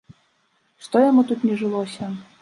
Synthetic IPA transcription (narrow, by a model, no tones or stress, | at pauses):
ʂt̪ɔjamut̪ut̪nʲɛʐɨlˠɔsʲɐ